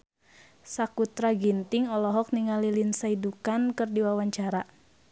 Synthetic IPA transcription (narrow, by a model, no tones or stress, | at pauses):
sakut̪ɾaɡint̪iŋɔlɔɦɔk̚niŋalilinsaidukankɨrdiwawaɲt͡ʃaɾa